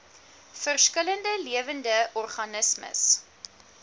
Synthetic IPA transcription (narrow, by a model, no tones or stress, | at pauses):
fərskələndəliəvəndəɔrχɐnəsmə̰s